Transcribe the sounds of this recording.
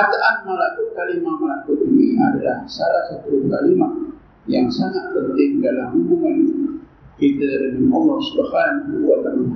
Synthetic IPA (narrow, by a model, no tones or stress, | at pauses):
at̪aʔanmalakukalimamalakuʔinḭa̰da̰la̰hsalasat̪ukalima | jaŋsaŋaʔ̚pənt̪ɪŋdalaɦubuŋani | kit̪aɾamimɔmɔrsə̥bahaɾankuakan